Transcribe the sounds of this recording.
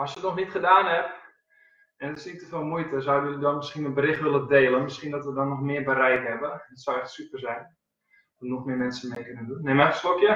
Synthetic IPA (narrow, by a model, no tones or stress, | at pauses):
ɔsjətnɔxnitχədaːnɦɛp | ɛnətɪ̥snittəfɪlˠmujtəzawdəjulidɔnmɪsxinənbəɾɪxtʋɪlədeːlˠənmɪsxiəndɔtʋədɔnːɔxmɪːrbəɾɛjkɦɛbədətsawɛxtsypərzɛjn | ɔ̥ɔtnɔxmɪːmɛnsənmekønəndunːemɛxəslokjə